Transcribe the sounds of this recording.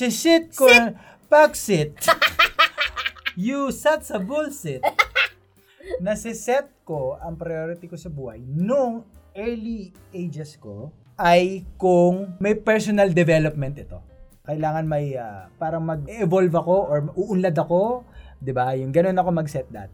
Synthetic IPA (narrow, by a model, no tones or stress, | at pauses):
sɪsɛt̪̚ko | paksɪt̪̚ | jusat̪sɐbulsɪt | nɐsɪsɛt̪̚ko̞ʔɐŋpɾɐjoɾɪt̪ikosɐbuːhɐ̰jnʊŋʔɛɹli | ʔejd͡ʒɛsko | ʔɐjkʊŋmɐjpɛɹsonɐld̪ɛvɛlop̚mɛnt̪ɪt̪o̞̰ | kɐʔɪlaːŋɐnmɐjɐpaːɾɐŋmɐɡ̚ɛʔɛvolvɐko̞ʔoɹmɐuʔʊnlad̪ɐko̞d̪ɪbajʊŋɡɐno̞nɐko̞mɐɡsɛt̪̚d̪ɐ̰t̪̚